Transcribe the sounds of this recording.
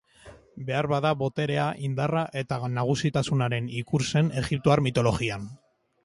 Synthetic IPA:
be̞aɾβaðaβo̞t̪e̞ɾe̞aʔind̪araʔe̞t̪anaɣ̞usit̪asunaɾe̞nikuɾse̞ne̞ɣip̚t̪oaɾmit̪o̞lo̞ɣian

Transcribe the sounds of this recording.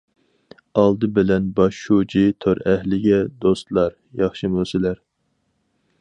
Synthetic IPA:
ɑlˠd̪ɨbɪlɛnbɑʃːud͡ʒit̪ʰoɾɛhlɪɡʲɛd̪ost̪lˠɑɾ | jɑχʃɨmusɪlæɾ

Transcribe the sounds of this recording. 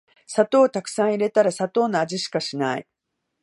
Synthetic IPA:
sat̪o̞ːt̪akɯ̟̥sãɰ̃iɾe̞t̪aɾasat̪o̞ːnoaʑiɕi̥kaɕinaḭ

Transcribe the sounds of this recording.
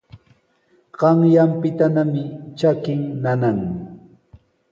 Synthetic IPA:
ɢɑŋjampɪt̪anamɪt͡ʃakɪŋnanaŋ

